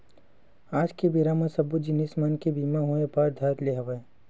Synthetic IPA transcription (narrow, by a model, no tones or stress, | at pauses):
aːd͡ʒkibiɾamə̃sɐbud͡ʒɪnismankebiːmaɦoebaːd̪ʱaːt̪leɦɐʋa